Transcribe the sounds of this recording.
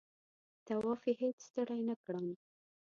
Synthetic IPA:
t̪awɑfihet͡sst̪əɽajnakɽəm

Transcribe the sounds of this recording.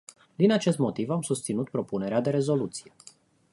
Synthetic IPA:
d̪inat͡ʃe̞st̪mo̞t̪ivamsust̪sinut̪̚pɾo̞pune̞ɾead̪e̞ɾe̞zo̞lut̪si̥je̞

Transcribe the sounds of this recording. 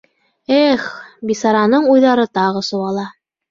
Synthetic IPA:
eχbisɑɾɑnɤɴujðɑɾɤt̪ɑʁɤsŭwɑlˠɑ

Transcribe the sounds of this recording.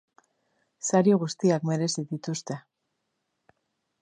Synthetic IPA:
saɾjoɣ̞ust̪iakme̞ɾe̞siðit̪ust̪e̞

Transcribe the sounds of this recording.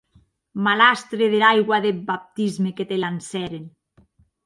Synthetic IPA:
malast̪ɾeðelajɣwaðebap̚t̪izmeket̪elansɛɾen

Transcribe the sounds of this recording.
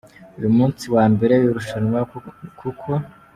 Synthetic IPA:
ujumuːnt͡siwaːmbe̞ɾeiɾuʃaɲwakʰukʰo̞

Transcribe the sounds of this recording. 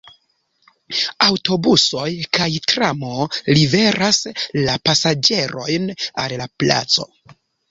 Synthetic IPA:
awto̞buso̞jkajtɾamo̞live̞ɾʔaslapasad͡ʒe̞ɾo̞jnallapla̰t͡so̞̰

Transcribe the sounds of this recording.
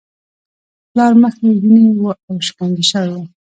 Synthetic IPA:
plɑɾməxeɡinewuʔawʃkaŋɡiʃəwewu

